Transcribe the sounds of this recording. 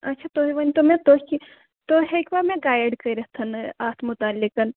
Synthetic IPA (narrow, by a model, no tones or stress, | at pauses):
ɐtːʃʰat̪oɦiʋɐnt̪omẽt̪oi | t̪oɦeikbaːɾmẽɡaːjəɖkɐiɾəɦt̪ʰɐnaːt̪ʰmʊt̪aːlːikən